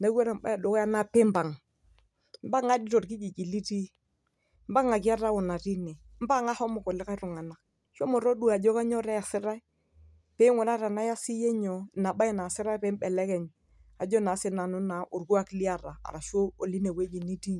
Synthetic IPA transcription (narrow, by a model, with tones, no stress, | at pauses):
na˦ka˦ɾa˨m˦ba̰˦a˨do˨kja˦na˦pe˦m˦ba˨ŋ | m˦ba˦ŋa˦di˦ɾo˨ɾki˦d͡ʒi˨d͡ʒi˨li˦ti˦ | m̩˦ba˦ŋa˨ki˦a˦ɾa˦wo˨na˨ɾi˦nɛ˨ | m̩˦ba˦˨ŋa˦hɔ˦mo˨kɔ˨lɛ˦ka˦ɾu˨ŋa˨na˨k | ʃo˦mɔ˨ɾo˦du˦a˨d͡ʒɔ˦ka˦ɲɔ˦ɾɛ˦ja˨sɪ˦ɾa˦i˦ | pe˦ŋɔ˨na˦ɾa˨na˦ja˦si˦je˦ɲɔ˨na˨ɓa˦˨na˨sɪ˦ɾa˦pe˦m˦bɛ˨lɛ˦kɛ˨ɲ | a˨d͡ʒɔ˦na˨˦sɪ˦na˨nu˦na˨ʔu˨ɾɡu˦a˦kli˦a˦˨ɾa˨a̰˨ɾa˨ʃo˦o˨li˦ne˨we˦d͡ʒi˨ni˦ti˦